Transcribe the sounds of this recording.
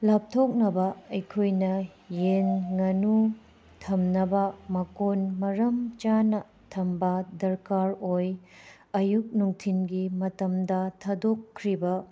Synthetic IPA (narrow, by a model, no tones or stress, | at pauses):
lap̚tʰok̚nɐbɐɐjkʰojnɐ | jenŋɐnu | tʰɐmnɐbɐmɐkonmɐɾɐmt͡ʃanɐ | tʰɐmbɐdɐɾkaɾoj | ɐjuk̚nuŋtʰinɡimɐtɐmdɐtʰɐdokʰːɾibɐ